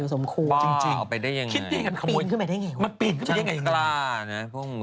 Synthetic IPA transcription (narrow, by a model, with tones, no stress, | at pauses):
i˨˦so˩˦mkʰu˧t͡ɕi˧ŋt͡ɕi˧ŋ˧˩pa˧jda˥˩ja˧ŋkʰi˦˥˧da˥˩˨jka˧˩nkʰmː˨o˧nkʰma˧˩da˥˩jŋeː˧˩wma˧npi˨˩n̚kʰa˧˥˧ŋa˧jŋlaː˧˥˩na˦˥pʰu˥˩kmu˨˧˩